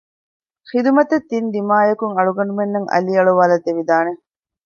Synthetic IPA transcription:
xid̪umɐt̪ɐt̪ːind̪imaːjɐkuŋɐɭuɡɐɳɖumenːɐŋʔɐ̰liɐɭuʋaːlɐt̪eʋid̪aːne

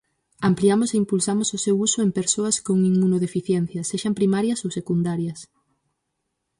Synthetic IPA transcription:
ampliamʊseimpulsamʊsʊsewusʊempeɾsoɐskoŋĩŋunoðefiθjɛn̟θjɐseʃɐmpɾimaɾjɐsowsekund̪aɾjɐs

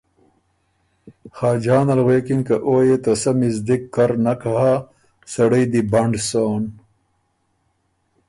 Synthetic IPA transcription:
xaːd͡ʑaːnɐlweːkinkɐʔoːjet̪ɐsɐmizd̪ikːɐɾnɐkɐɦa | sɐɽɐjd̪ibɐɳɖsoːn

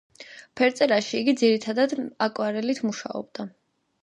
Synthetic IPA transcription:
pʰɛɾt̪sʼɛɾaʃiːɡid̪ziɾit̪ʰad̪ad̪akʼwaɾɛlit̪ʰmuʃa̰ɔ̰bd̪a

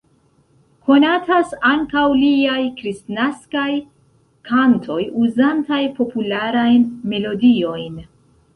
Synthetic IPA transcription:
kʰo̞natʰasaŋkawliajkɾistnaskaj | kʰantʰo̞juzantajpʰo̞pulaɾajnme̞lo̞dio̞jn

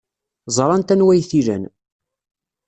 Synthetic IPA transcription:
zˤɾˤɑnt̪ænwæjθiɾæ̰n

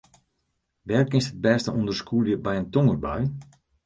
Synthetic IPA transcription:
ʋɛrkɪsəd̚bɛːstəundərskuljəbɛjəntoŋərbaj

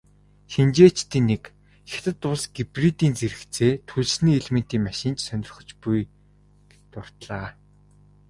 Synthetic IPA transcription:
xent͡ɕeːt͡ɕt̪iːnːek | xʲe̥t̪ɘ̆t̪ʊɮsɡ̥iprit̪iːnt͡seɾɘ̆kt͡sʰeːt̪ʰuɮsniːɮmɘ̆n̥t̪iːmaʃɪ̆nt͡ɕsœnʲɪ̆r̆χɞ̆t͡ɕpuj | t̪ʊr̥t̪ɮaː

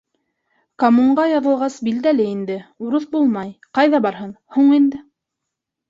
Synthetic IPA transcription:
kɐmuɴɢɑjɑðɤ̆lˠʁɑsbild̪ælɘind̪ɘuɾɤθbulˠmɑjqɑjðɑbɑɾɦɤn | huɴind̪ɘ

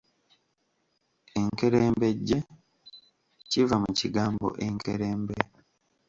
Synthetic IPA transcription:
eŋke̞ɾeːmbe̞ɟːe̞ | civamuciɡaːmbo̞̰ʔeŋkeɾeːmbe

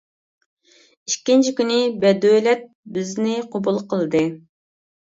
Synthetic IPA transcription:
i̥kʲːint͡ʃʰikʲynɪbɛd̪ølɛt̪̚bɪznɪqʰobulˠqʰəlˠɨd̪ɨ

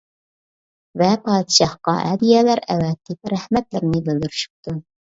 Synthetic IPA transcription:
vɛpʰɑːd̪ʃɑhqɑʔɛ̰d̪ijɛlæɾɛ̰wɛt̪ʰːɪp̚ɾæhmɛt̪lɪɾnɪbɪld̪yɾyʃy̥p̚t̪ʰu

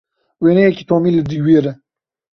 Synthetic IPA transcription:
weːneki̥t̪oːmiləd̪ujweɾə

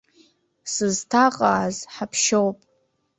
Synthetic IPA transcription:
sɨztʰaqʼaːzħapʰʃowpʼ

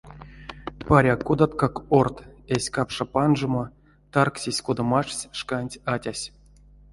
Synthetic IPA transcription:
paɾʲakud̪at̪kakort̪esʲkapʂapanʐɨmo | t̪arksʲisʲkud̪amaʂsʲʂkanʲtʲatʲasʲ

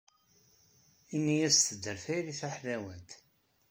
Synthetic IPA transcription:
inːijæst̪əd̪ːəɾfæjɾiθaħlæwənt̪

